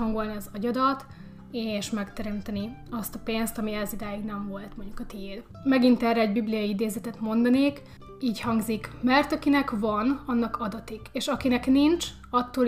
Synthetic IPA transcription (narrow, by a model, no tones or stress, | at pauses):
ɒŋɡolniɒzɒɟɒd̪ɒt̪ | eːʃmɛkt̪ɛɾɛmt̪ɛniɒst̪ɒpeːnst̪ɒmiɛzid̪aːjiɡnɛɱvo̞lt̪mo̞ɲɟukɒt̪iːl | mɛɡint̪ɛrːɛɛɟbiblijɒjiid̪eːzɛt̪ɛt̪mo̞nd̪ɒneːk | iːchɒŋɡzikmɛrt̪ɒkinɛkvɒnɒnːɒkʰɒd̪ɒt̪iɡeːʃɒkinɛknint͡ʃ | ɒt̪ːoː